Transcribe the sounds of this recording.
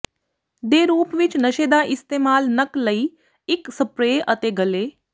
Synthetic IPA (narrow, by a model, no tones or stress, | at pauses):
d̪eɾuːpʋit͡ʃnəʃeːd̪aʔist̪emaːlnəkləi | iksəpɾeʔət̪eɡəle